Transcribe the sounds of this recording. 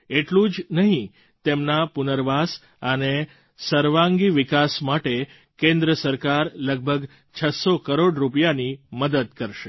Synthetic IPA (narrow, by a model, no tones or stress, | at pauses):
eʈlũd͡ʒnəɦĩ | t̪emnapunəɾʋas | əne | səɾʋãŋɡiʋikasmaʈe | kẽnd̪ɾəsəɾkaɾləɡ̚bʱəɡ | t͡ʃʰəsokəɾoɖɾupjaniməd̪əd̪kəɾʃe